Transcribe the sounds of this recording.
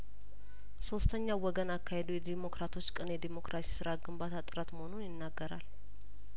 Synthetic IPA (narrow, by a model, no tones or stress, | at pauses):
so̞st̪ʰəɲːawɔɡənakːahed̪ojɛd̪imo̞kɾat̪ʰo̞t͡ʃːkʼɨnjɛd̪emo̞kɾʔasi̥sɨɾaɡɨmbat̪ʰat̪ʼɨɾət̪məho̞nunjɪnːaɡːəɾa̰l